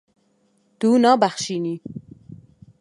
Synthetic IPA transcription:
d̪̥unɑːbæxʃini

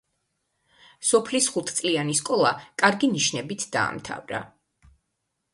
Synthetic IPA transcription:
sɔpʰlisχut̪ʰt̪sʼlianiskʼɔlˠakʼaɾɡiniʃnɛbit̪ʰd̪̥a̰ːmt̪ʰa̰vɾa̰

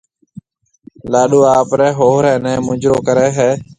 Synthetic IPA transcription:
laːɗoːaːpɾɛːɦoːɦɾɛ̃ːnɛ̃ːmʊd͡ʒɾo̰ːkəɾɛːɦɛː

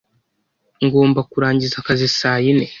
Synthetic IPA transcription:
ŋɡo̞ːmbakuɾaːɲɟizakazisaːjine̞

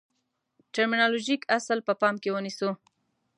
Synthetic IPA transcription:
ʈaɾminɑloʒikasəlpəpɑmkewənisu

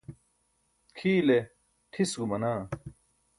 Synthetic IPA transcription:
kʰiːle | ʈʰisɡumɐnaː

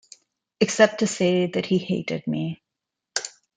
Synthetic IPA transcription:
ɨksɛp̚tʰɨseɪðɨt̚hiheɪɾɨ̰d̚mi

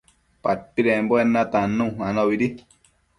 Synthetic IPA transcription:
paɾ̚piɾemboenãt̪anũanoβiɾi

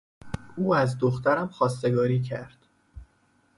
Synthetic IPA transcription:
uːæzd̪oxt̪æɾæmxɒːst̪eɡɒːɾiːcʰæɾd̪̥

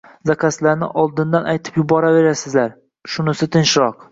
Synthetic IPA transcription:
zakʰʲaslaɾnɪ̰ʔɒlˠd̪ɪnd̪anʔajt̪ʰɪ̥pjʊbɒɾave̞ɾasɪzlaɾ | ʃʊnɪsɪt̪ʰɪnʃɾɒq

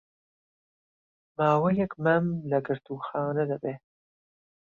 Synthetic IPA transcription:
maːwɐjɐkmɐmlɐɡɨɾt̪uːxɑːnɐd̪ɐbeː

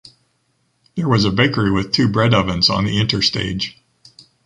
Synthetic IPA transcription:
ðə˞wʌzɨbeɪkə˞iwɨð̥tʰʉbɹɛɾʌvɨ̃nzn̩ðiɪ̃ntə˞stḛɪd̥ʒ̥

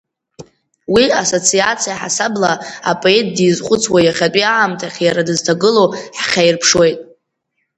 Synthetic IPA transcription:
wiaso̞t͡sʰiat͡sʰijaħa̰sablaa̰pʼo̞etʰʼdizχʷʼʊt͡sʰwajaχʲatʼiaːmtʰaχʲjaɾadɨztʰaɡɨloħχʲajrpʰʂwe̞jtʼ

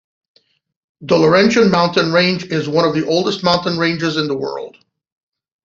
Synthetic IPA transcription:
dəlˠə˞ɛ̃nʃɨ̃nmãʊ̃ntɨ̃nɹẽɪ̃nd͡ʒɪzwʌ̃ɾ̃ʌvðiʔoʊlˠdəst̚mãʊ̃ntɨ̃nɹẽɪ̃nd͡ʒɨzɨ̃nðəwɜ̰˞lˠd̥

